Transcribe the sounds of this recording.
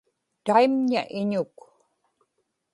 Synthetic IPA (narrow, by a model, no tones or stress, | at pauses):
t̪aimɲa̰ʔɪɲʊk